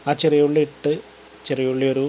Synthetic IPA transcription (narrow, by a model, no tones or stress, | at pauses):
aːt͡ɕerijuɭːiiʈːɨ | t͡ɕerijuɭːioɾu